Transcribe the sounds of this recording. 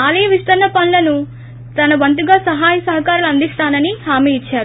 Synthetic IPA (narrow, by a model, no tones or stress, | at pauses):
aːlɐjɐʋist̪ɐɾnɐpɐnlɐnu | t̪ɐnɐbɐnt̪̬uɡaːsɐɦaːjɐsɐɦɐkaːɾuluɐnd̪ist̪aːnɐnihaːmiːit͡ʃːaːɾu